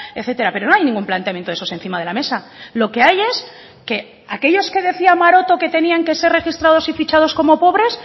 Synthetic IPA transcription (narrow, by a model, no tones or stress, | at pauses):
eθe̞t̪e̞ɾapeɾo̞no̞ajnĩŋɡumplant̪eamjet̪oesose̞nθimað̞e̞lame̞sa | lo̞ke̞aje̞s | ke̞ | ake̞ʎo̞ske̞ðe̞θiamaɾo̞t̪o̞ke̞t̪e̞niaŋke̞se̞re̞xist̪ɾað̞osifit͡ʃað̞o̞sko̞mo̞po̞β̞ɾe̞s